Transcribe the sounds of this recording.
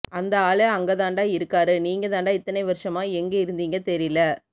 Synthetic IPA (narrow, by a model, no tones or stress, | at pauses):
ɐnd̪ɐaːɭɐɐŋɡɐðaːɳɖaːɪɾɯkːaːɾɯniːŋɡɐt̪aːnɳɖaːɪt̪ːɐnɐɪʋɐɾɯʂɐmaːɛŋɡɐɪɾɯnd̪iːŋɡɐt̪ɛɾɪlɐ